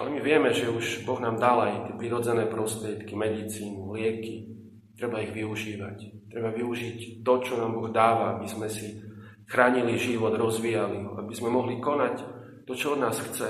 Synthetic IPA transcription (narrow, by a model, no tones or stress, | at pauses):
ʔa̰lɛmiʋɪɛmɛʒɛuʒbɔɣnaːmd̪alajt̪ɪɛpɾiɾɔd͡zɛnɛːpɾɔst̪ɾɪɛt̪kimɛd̪it͡siːnulɪɛki | t̪ɾɛbaiɣʋiuʒiːʋact̪ɾɛbaʋiuʒict̪ɔt͡ʃɔnaːmbɔɣd̪aːʋaabizmɛsi | xɾaːɲiliʒiʋɔd̪ɾɔzʋijaliɦɔa̰bizmɛmɔɦlikɔnac | t̪ɔt͡ʃɔɔd̪naːsxt͡sɛ